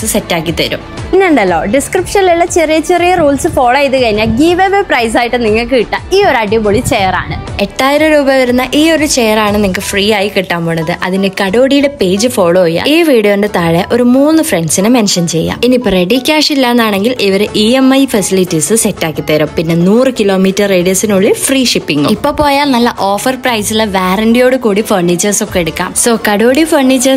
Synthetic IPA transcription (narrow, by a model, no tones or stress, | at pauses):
sɨse̞tːaːkːit̪ɐɾṵmpinːeuɳɖɐlːo̞ːɖiskripʂɐnlilːɐt͡ɕerijɐt͡ɕerijɐruːlsɨfo̞ːɭɐjit̪ːɨkɐɻiɲːaːlɡiʋeʋeprɐjs̬aːjiʈːɨniŋːɐɭkɨkiʈːaːmiːo̞ɾɐɖijmboɭit͡ɕejɐra̰ːɳɨe̞tːaːjɐɾɐɾuːbɐʋɐɾunːɐʔiːo̞ɾut͡ɕejɐraːɳɨniŋːkɐfriːaːjikiʈːaːmboɳːɐðɨʔɐðindekɐɽo̞ːɽijuɽe̞pe̞ːd͡ʑɨfo̞ːɭojːa̰ːiːʋiːɽijondet̪aːɻeɐʔo̞ɾumuːnːɨfreɳɖsinɨmenʂɐnt͡ɕe̞̰jːa̰ːminipreɽikʲːaːʂilːaːnːaːɳe̞ŋɡilʔiʋɐɾeʔiːemɐjfɐsilitːisɨsetːaːkːit̪ːeːɾɐmpinːe̞nuːrɨkilo̞ːmiːtːɐreːɽijɐsinuɭːifriːʂipːiŋːṵipːo̞ːpo̞ːjaːnnɐlːɐʔo̞ːfɐrprɐjsilʋaːrɐnɖijo̞ːɽɨkuːɽifɐrɳiːt͡ɕːɐrso̞kːeeɽukːa̰ːmso̞ːkɐɽoːɽifɐrniːt͡ɕːɐrs